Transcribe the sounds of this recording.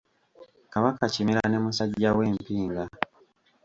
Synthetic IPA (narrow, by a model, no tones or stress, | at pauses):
kaβakacimiɾane̞musaɟːawe̞ːmpiːŋɡa